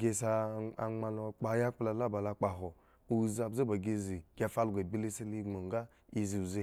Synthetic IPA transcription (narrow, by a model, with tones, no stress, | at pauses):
ɡʲe˧sa˧˨a˨ŋ͡ma˧lo˦˨k͡pa˦ja˦k͡pla˨la˦˨ba˨la˧k͡pa˨ɦo˨ | u˦˨za˨bze˦ba˨ɡʲe˦zi˨ɡ̥ʲa˨fa˦lɡʷa˨bi˦le˦se˦li˦ŋ͡mo˨ŋ˦ɡa˦ | i˦zi˨u˨ze˦